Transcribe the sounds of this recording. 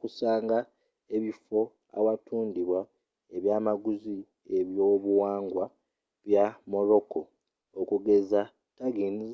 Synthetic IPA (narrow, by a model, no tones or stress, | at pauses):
kusaːŋɡa | e̞βifo̞ | a̰watuːndiβwa | eβjaːmaɡuzi | e̞βjo̞ːβuwaːŋɡwa | βjamo̞ɾo̞ko̞ | okuɡe̞za | taɡiːniz